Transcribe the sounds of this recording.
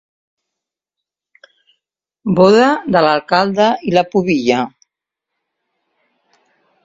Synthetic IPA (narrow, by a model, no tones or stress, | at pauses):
boðad̪əlalˠkalˠd̪ailəpuβiʎa